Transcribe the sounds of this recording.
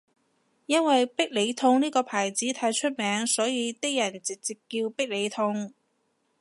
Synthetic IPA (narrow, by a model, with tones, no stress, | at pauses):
jɐ˥nwɐ˨jpɪ˥k̚le˨˧jt̪ʰʊ˧ŋniː˥kɔː˧pʰaː˨˩jt͡siː˨˥t̪ʰaː˨˥jt͡ʃʰɵ˥t̚mɛː˨˥ŋsɔː˨˥jiː˨˧t̪ɪ˥k̚jɐ˨˩nt͡sɪ˨k̚t͡si˨˩p̚kːiː˧wpɪ˥k̚le˨˧jt̪ʰʊ˧ŋ